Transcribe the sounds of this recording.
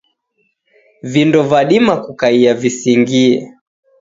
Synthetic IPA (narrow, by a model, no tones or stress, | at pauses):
vindɔvaɗimakukaiavisiŋɡiɛ̰